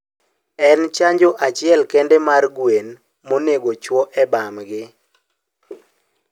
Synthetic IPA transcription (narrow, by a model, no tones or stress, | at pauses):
ɛnt͡ʃaɲd͡ʒoʔat͡ʃɪɛlkɛndɛmarɡwen | moneɡot͡ʃwɔʔɛbamɡɪ